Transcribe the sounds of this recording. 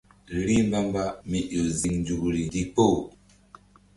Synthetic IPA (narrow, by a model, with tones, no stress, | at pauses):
ɾi˦mba˦mba˦mi˨ʔo˨zi˨ŋnd͡ʒu˨kɾi˨di˦k͡po˦˨